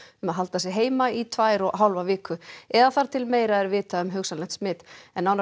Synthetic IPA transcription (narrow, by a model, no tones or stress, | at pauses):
ʏmaðɦalt̪asɛɦeːjmait̪ʰvaːjɾɔɣɦawlvavɪːkʏɛðaθaɾ̥t̪ʰɪlmeːjɾaɛɾvɪːt̪aʏmɦʏksalɛht̪smɪːt̪ɛnːawn